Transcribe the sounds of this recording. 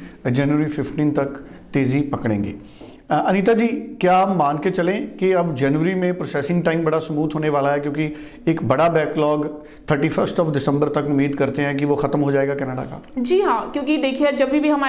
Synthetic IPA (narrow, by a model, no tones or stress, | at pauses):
d͡ʒɛːnʋəɾifʰɪfʈiːnt̪ɐkt̪eːzipɐkɽẽːŋɡḛː | ɐniːt̪ad͡ʒiːkjaːəmːaːnket͡ʃɐlẽkiɐbd͡ʒɛːnʋəɾimẽpɾoːsɛːsɪ̃ŋɡʈaːɪmbɐɽasmuːt̪ɦoːneʋaːlaɦɛkjõːki | ɪkbɐɽabɛːklɔːɡ | t̪ʰəɾʈipʰəɾsʈɔːfɖɪsə̃mbəɾt̪ɐkʊmːiːd̪kɐɾt̪eɦɛ̃kiʋoxɐt̪əmɦod͡ʒaːeːɡakɛːnəɖa̰ka̰ːd͡ʒiːɦãːkjõːkid̪eːkʰid͡ʒɐbʱibʱiɦɐma